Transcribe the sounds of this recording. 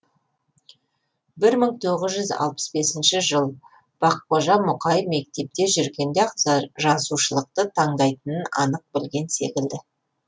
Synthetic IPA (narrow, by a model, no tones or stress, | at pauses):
bɪɾməɴt̪ʰoʁəzʒʏzɑ̰lˠpə̥sbe̞sɪnʃɪʒəlˠ | b̥ɑq̚boʒɑnmʊqɑjəfme̞k̚t̪e̞p̚t̪e̞ʒʏɾɡʲe̞nd̪eqʒɑsuʃəlˠəq̚t̪ət̪ʰɑɴd̪ɑjt̪ənənɑ̰nəq̚bɪlɡʲe̞nse̞̰kʲɪld̪ɪ